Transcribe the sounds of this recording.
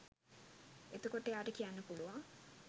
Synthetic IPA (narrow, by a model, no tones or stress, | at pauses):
et̪ukoʈejaːʈəkijanːəpuluʋa